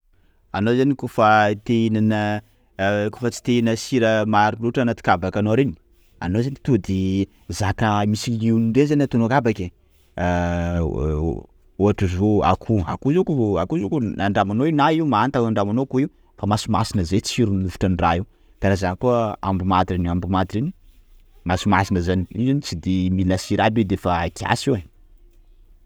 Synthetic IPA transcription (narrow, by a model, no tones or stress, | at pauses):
anozanikufət̪enanə | kufət͡si̥t̪einəsiɾəmaɾinuʈ͡ʂanat̪i̥kabakanoaɾeni | a̰nozanit̪ud̪i | zakəmisiliuninɖ͡ʐenizaniat̪unuakabakʲe | oaʈ͡ʂizoa̰kʰua̰kuzikuakuzukunaɳɖ͡ʐamanoiunaiumaant̪aaɳɖ͡ʐamanokuiu | famasima̰sinəzet͡siɾunluvu̥ʈ͡ʂanrai | d̪̥aɾazanakua̰mbumad̪iɾinambumad̪iɾini̥ | masimasinəzaniizanit͡sid̪imilasiɾabid̪efakʰia̰siwe